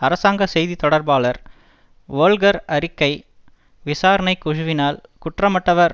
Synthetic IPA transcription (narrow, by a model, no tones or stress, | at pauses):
ɐɾɐsaːŋɡɐsɛjðit̪ɔɽɐɾbaːlɐɾ | ʋoːlɡɐɾɐɾɪkːɐɪ | ʋɪsaːɾɐnɐɪkʊɻʊʋɪnaːlkʊʈrɐmɐʈːɐʋɐɾ